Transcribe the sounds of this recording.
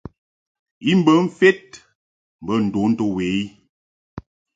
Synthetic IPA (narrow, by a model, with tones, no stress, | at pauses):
i˦m̩˦bə˨˦ɱ̩˦fe˦t̚ | m̩˨bə˦n̩˨do˨˦n̩˦to˦we˨˦i˦